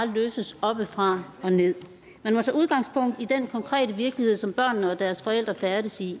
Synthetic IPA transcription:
løːsəsɒ̽b̥əfʁɑ̈ɒ̽ne̝ð̰ˠ | mænmɒt͡sʰɛ̰ːuð̞ˠɡ̥ɑ̈ŋspʰɔ̽ŋ̰d̥id̥en̰kʰɒ̽ŋkʰʁɛ̰ːdəʋiɐɡ̥lihe̝ð̞̰ˠsɒ̽mb̥ɶɐ̰nːəɒ̽d̥æɐsfɒ̽el̰d̥ʁɐfæɐdɾəsi

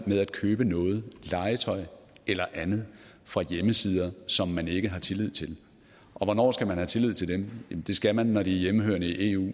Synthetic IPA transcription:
með̞ˠæd̥̚kʰøːb̥ənɔ̽ːð̞̩ˠlɑ̈ɪət͡sʰɒ̽ɪelɐʔænð̞̩ˠ | fʁɑ̈jeməsiːð̞ˠɐsɒ̽mːæne̝ɡ̥əɦɑ̈t͡sʰe̝lið̞̰ˠt͡sʰe̝l | ʔɒ̽ʋɒnɒ̰ːsɡ̥æmænhæt͡sʰe̝lið̞̰ˠt͡sʰe̝ldemjemnd̥e̝sɡ̥æmænːɒɾ̥iæɐjeməhøːɐnəiʔe̝ːṵː

